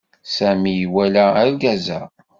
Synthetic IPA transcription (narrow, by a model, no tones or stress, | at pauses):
sæmijwælææɾɡæzæ